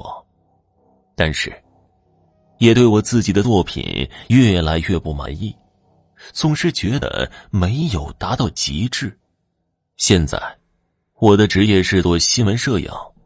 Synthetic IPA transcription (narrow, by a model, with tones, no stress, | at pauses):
ɔ˨˩˦ | t̪a˥˧nʂɻ̩˥˩ | jɛ˨˩t̪we˥˩ɪwɔ˨˩t͡sɹ̩˥˩t͡ɕi˨˩d̪ə˦t͡swɔ˥˩pʰḭ˨˩nɥɛ˥˩la˧˥ɪɥɛ˥˧pu˥˩ma̰˧˥nḭ˥˩ | t͡sʰʊ˧˥ŋʂɻ̩˥˧t͡ɕɥɛ˧˥d̪ə̰˧˩me˧˥ɪjo˨˩ʊt̪a˧˥t̪ɑ˥˩ʊt͡ɕḭ˧˥ʈ͡ʂɻ̩˥˩ | ɕjɛ˥˧nt͡sa̰˥˩ɪ | wɔ˨˩d̪ə˦ʈ͡ʂɻ̩˧˥t͡ɕjɛ˥˧ʂɻ̩˥˧t͡swɔ˥ɕi˥nwə˧˥nʂɤ˥˩jɑ̰˨˩˦ʊ